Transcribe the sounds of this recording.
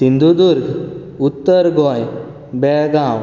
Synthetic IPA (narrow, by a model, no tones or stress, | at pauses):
sind̪ʱud̪uɾɡ | ut̪ːəɾɡɔj | bɛɭɡaw